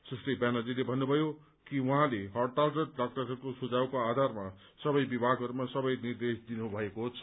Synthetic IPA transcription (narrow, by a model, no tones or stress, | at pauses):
sresʈʌjbanalilebʱʌnːubʱʌjo | kiwuɦãleɦʌrʈalʈʌʈɖak̚ʈʌɾɦʌrkosud͡zawkoad̪ʱarma | sʌbʌjbibʱaɡɦʌɾumasʌbʌjnird̪esd̪inubʱʌekoɦt͡sʰʌ